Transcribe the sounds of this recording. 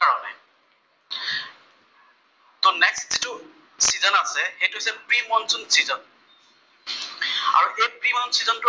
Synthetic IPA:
aɹɔnɛ | tɔnɛkstzitʊ | sizɔnasɛxejtʊɦsɛpɹimɔnsɔnsizɔn | a̰ɹuʔejpɹimɔnsizɔntʊ

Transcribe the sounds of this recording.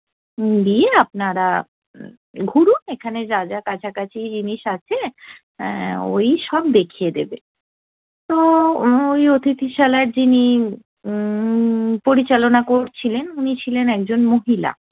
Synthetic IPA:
d̪ieap̚naɾa | ɡʱuɾunekʰaned͡ʑad͡ʑakat͡ɕʰakat͡ɕʰid͡ʑiniʃat͡ɕʰe | o̰jʃɔbd̪ekʰijed̪ebe | t̪oojot̪ʰit̪ʰiʃalaɾd͡ʑini | poɾit͡ɕalonakoɾt͡ɕʰilenunit͡ɕʰilenɛk̚d͡ʑonmoɦila̰

